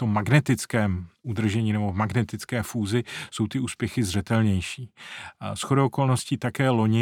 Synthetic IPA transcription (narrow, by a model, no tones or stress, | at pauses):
t̪omːaɡnɛt̪ɪt͡skɛːmud̪r̩ʒɛɲiːnɛbo̞vmaɡnɛt̪ɪt͡skɛːfuːzɪso̞wt̪ɪuːspjɛxɪzr̝ɛt̪ɛlɲɛjʃiːsxo̞dooko̞lno̞scit̪akɛːlo̞ɲɪ